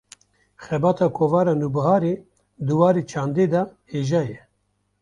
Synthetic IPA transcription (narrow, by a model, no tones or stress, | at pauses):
xɛbɑːt̪ʰɑːkʰoːvɑːɾaːnubɨhaːɾeː | d̪ɨwɑːɾeːt͡ʃʰaːnd̪eːd̪ɑːheːʒɑːjɛ